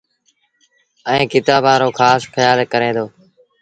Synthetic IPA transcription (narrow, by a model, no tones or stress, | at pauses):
əẽːkɪt̪aːbaːɾoːkʰaːsxəjaːlkəɾẽːd̪oː